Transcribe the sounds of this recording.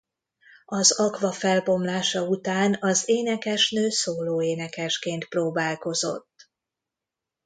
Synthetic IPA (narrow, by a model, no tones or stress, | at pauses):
ɒzɒkʋɒfɛlbo̞mlaːʃɒut̪aːnɒzeːnɛkɛʃnøːsoːloːeːnɛkɛʃkeːnt̪proːbaːlko̞zo̞̰t̪ː